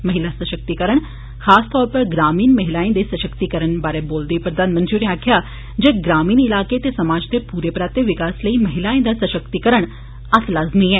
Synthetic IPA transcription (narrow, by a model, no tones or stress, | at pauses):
məɦɪlasəʃək̚t̪ikəɾəɳ | xʰaːst̪ɔːɾpəɾɡɾaːmiːnməɦɪlaːẽd̪esəʃəkt̪ikəɾəɳbaːɾeboːld̪ipɾəd̪aːnmə̃nt̪ɾiuneaːkʰjaː | d͡ʒeːɡɾaːmiːnɪlaːket̪esɐmaːd͡ʒt̪epuːɾepɾaːt̪eʋɪkaːsləiːməɦɪlaːẽd̪asəʃəkt̪ikəɾəɳ̃ | ɐt̪laːzniɦɛː